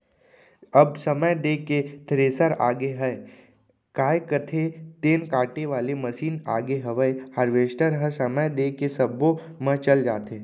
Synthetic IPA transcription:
ɐbsɐməjd̪eːket̪ʰɾeːsəɾa̰ːɡeɦɛe | kaːekət̪ʰet̪eːnkaːʈeʋaːlemɐsiːna̰ːɡeɦɐʋəehəɾʋeːʃʈəɾɦəsɐməjd̪eːkesɐbːo | mə̃t͡ʃɐld͡ʒa̰ːt̪eː

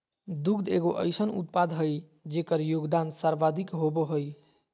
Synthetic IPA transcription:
d̪ukd̪eɡoʔə̰jsənṵt̪̚pad̪ʱɦəj | d͡ʒekəɾjoɡd̪ansaɾʋad̪ʱikɦoboɦoj

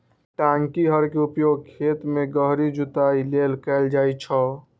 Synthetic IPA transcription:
ʈaŋkiɦəɾkeupjoɡ̚kʰet̪meɡəɦɾid͡ʒut̪ailelkɛld͡ʒajt͡ʃʰə

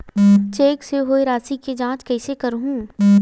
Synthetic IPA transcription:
t͡ʃeːkseɦoːeɾaːsiked͡ʒãːt͡ʃkɐɪsekɐɾɦũː

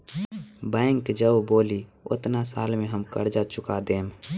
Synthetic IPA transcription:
bɛ̃ːŋkd͡ʒəboːliʊ̰t̪nasaːlmẽɦəmkə̰ɾd͡ʒat͡ʃʊkad̪eːm

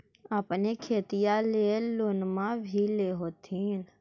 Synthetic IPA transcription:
əpnekʰeːt̪ijaleːloːnmãbʱileːɦoːt̪ʰiːn

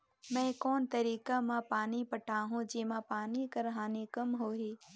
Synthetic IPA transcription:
mɛ̃ːkoːnt̪ɐɾiːkamãpaːnipɐʈʰaːɦũd͡ʑeːmãːpaːnikɐɾɦaːnikɐmɦoːɦeː

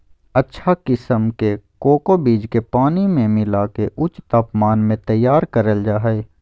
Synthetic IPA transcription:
ɐtːʃʰakɪsəmkekoːkobiːd͡ʒkepaːnimẽmɪlakeʔʊt͡ʃt̪aːpmaːnmẽt̪ɐjːaːɾkɐɾəld͡ʒaːɦəe

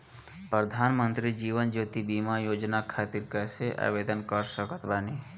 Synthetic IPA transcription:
pɾəd̪ʱaːnmənt̪ɾid͡ʒiːʋənd͡ʒoːt̪ibimajoːd͡ʒnakʰaːt̪iɾkɐseʔa̰ːʋed̪ənkəɾsəkət̪ʋaːni

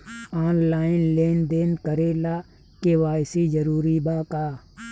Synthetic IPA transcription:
aːnlaːɪnleːnd̪eːnkəɾelaː | keʋaːjsid͡ʒəɾuːɾibaːkaː

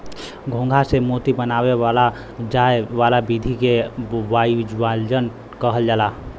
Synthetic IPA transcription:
ɡʱõːŋɡʱasemot̪ibənaːwewala | d͡ʒaewaːlabid̪ʱikewad͡ʒald͡ʒən | kəɦəld͡ʒaːla

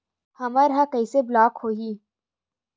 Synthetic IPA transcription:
hɐməɾɦãkɐiːseblaːkhoːɦiː

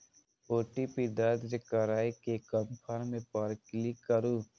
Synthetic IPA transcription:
oːʈipiɖad̪ɾekəɾaːikekəmpʰaɾmẽpəɾklikːəɾuː

